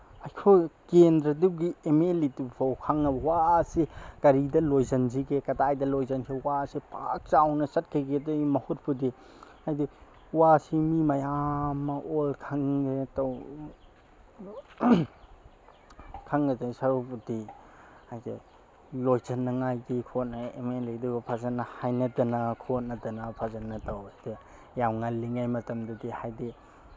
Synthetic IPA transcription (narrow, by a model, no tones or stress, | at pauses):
ajkʰokendɾɐduɡiemelitipawkʰaŋɐbɐwaːsikɐɾidɐlojzɐnziɡekɐdajdɐlojzɐnkʰiwasipʰa̰k̚t͡ʃawnɐsɐt̚kʰeɡedɐmɐhut̚pʰudi | ajdi | wasimimajamːɐʔolkʰaŋɡetaw | kʰaŋɐdasaɾopudi | hajde | lojtʰɐnːɐŋajdikʰot̚nɐḛmenlejdubɐpʰazɐnːɐhajnɐdɐnɐkʰot̚nɐdɐnɐpʰazɐnːɐtawde | jawŋalːiŋajmɐtɐmdɐdihajdi